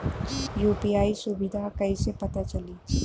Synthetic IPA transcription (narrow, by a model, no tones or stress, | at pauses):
juːpiːaːisʊbɪd̪ʱakɐisepɐt̪at͡ʃɐliː